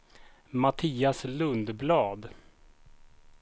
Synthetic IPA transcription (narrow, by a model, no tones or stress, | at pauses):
mat̪ʰiːaslɵnd̪blɑːd̪